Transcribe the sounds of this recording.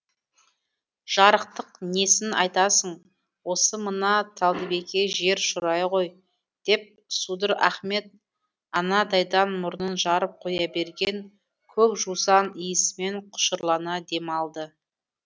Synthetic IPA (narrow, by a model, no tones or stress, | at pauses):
ʒ̥ɑɾəqt̪əqne̞sɪnɑ̰jt̪ɑsəɴ | wo̞səmənɑt̪ʰɑlˠd̪əbe̞kʲe̞ʒe̞ɾʃʊɾɑjʁo̞j | d̪̥e̞p̚ | sud̪əɾæ̰χme̞t̪̚ | ɑnɑd̪ɑjd̪ɑnmʊɾənənʒɑɾəp̚qʰo̞jɑbe̞ɾɡʲe̞ŋ | kʲʰɵkʒusɑnijəsɪme̞ɴqʰʊ̥ʃəɾlˠɑnɑd̪e̞mɑlˠd̪ə